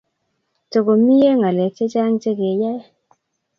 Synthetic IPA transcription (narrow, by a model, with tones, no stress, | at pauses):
to˨ɡo˨mi˦je˦ŋa˨le˨t͡ʃe˦t͡ʃa˦ŋt͡ʃe˦ɡe˨jɛ˦